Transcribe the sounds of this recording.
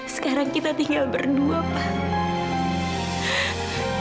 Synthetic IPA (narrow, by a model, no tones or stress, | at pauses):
sə̥kaɾaŋkit̪at̪iŋɡalbərduapah